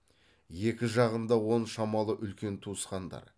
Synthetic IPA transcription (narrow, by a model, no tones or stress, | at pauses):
je̞kʲɪʒɑʁənd̪ɑwo̞nʃɑmɑlˠəʔʏlkʲe̞nt̪ʰusqɑnd̪ɑ̰ɾ